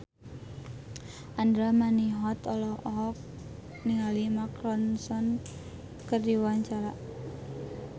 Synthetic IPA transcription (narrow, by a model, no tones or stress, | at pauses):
ʔandɾamaniɦɔt̪ɔlɔɔɦɔk̚ | niŋalimakɾɔnsɔn | kərdiwaɲt͡ʃaɾa